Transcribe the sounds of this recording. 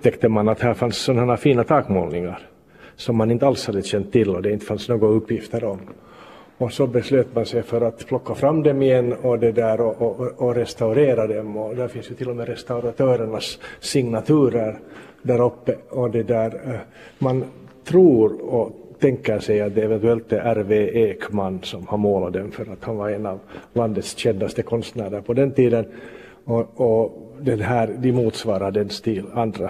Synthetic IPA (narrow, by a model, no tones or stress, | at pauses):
ɵp̪̚ʰɛkt̪əmanat̪hæːɾfansːɔnahæːɾafiːnat̪ʰɑːkmo̰ːlnɪŋaɾ | sɔmːanɪnt̪əalshad̪ːəɕɛnt̪ʰːɪlːɔd̪ɛɪnt̪ə̥fansnoːɡɵpːjɪft̪əɾɔm | ɔsɔbɛsløːt̪mansɛjfœɾat̪pʰlɔkːafɾamːd̪ɛmɪjɛnːɔd̪ɛd̪æːɾɔʔːɾɛst̪aʉɾeːɾad̪ɛmɔd̪æːɾfɪnsjɵt̪ʰɪlːɔmeːɾɛst̪aʉɾat̪ʰøːɾəɳasːɪŋnat̪ʰʉ̟ːɾəɾ | ɖ̪æːɾɔpːəɔd̪ɛd̪æːɾ | man | t̪ʰɾuːɾɔt̪ʰɛŋkːəɾʂɛjat̪̚d̪ɛːvɛnt̪ɵɛlt̪ɛʔæɾveːeːkmanːsɔmhaɾmoːlad̪ɛmfœɾat̪hanvaɾɛnavland̪ət̪sɕɛnd̪ast̪əkʰɔnst̪næːɖəɾpʰɔd̪ɛnt̪iːd̪ən | ɔɔd̪ɛnɦæːɾd̪ɪmuːt̪svɑːɾaɖ̪ɛnst̪ʰiland̪ɾa